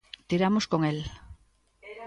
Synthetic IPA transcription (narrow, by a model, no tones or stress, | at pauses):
t̪iɾamoskoŋel